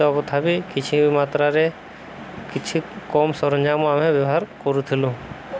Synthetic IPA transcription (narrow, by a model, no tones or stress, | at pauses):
ɔpət̪ʰabikɪt͡ʃʰibimaːt̪ɾaɾe | kɪt͡ʃʰikɔːmsɔɾə̃ɲd͡ʒamoamɦẽʋjəɦaːɾkoɾut̪ʰɪlũ